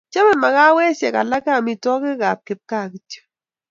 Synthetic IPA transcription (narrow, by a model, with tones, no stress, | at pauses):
t͡ʃɛ˦mɛ˨ma˨ka˦wɛ˦sjɛ˨ka̰˨la˦ka˨mi˨tɔ˦kɪ˦ka˨p̚kɪ˨p̚ka˦˨ki˦tjo̥˦